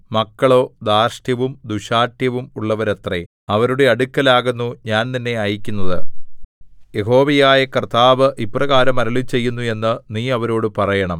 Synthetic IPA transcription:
mɐkːɐɭo̞ːd̪aːrʂʈjɐʋumd̪uɕaːʈjɐʋumuɭːɐʋɐɾet̪re | ɐʋɐɾuɽe̞ɐɽukʲːɐlaːɣunːuɲaːnt̪inːe̞aːjikʲːunːɐðɨ | je̞ɦo̞ːʋɐjaːjɐkɐrt̪ʰːaːʋɨʔipːrɐɣaːɾɐmɐɾɐɭit͡ɕe̞jːunːue̞nːɨniːɐʋɐɾoːɽɨpɐrɐjɐɳɐm

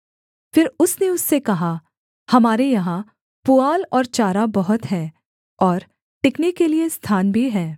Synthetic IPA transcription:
fɪɾʊsneʊsːekɐɦa | hɐmaːɾejɐɦã | puaːlɔːɾt͡ʃaːɾabɐɦʊt̪ɦɛː | ɔːɾ | ʈɪknekeliest̪ʰaːnbʱiɦɛː

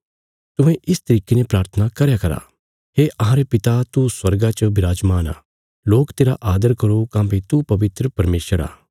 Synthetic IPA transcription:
t̪ʊẽʔɪst̪ɐɾiːkenepɾaːɾt̪ʰənakɐɾjakɐɾa̰ː | ɦeːʔɐɦãːɾepɪt̪at̪uswɐɾɡat͡ʃɐbɪɾaːd͡ʒmaːna̰ː | loːkt̪eːɾaʔaːd̪əɾkɐɾokãːbet̪upɐʋɪt̪ɾəpɐɾmeːʃəɾa̰ː

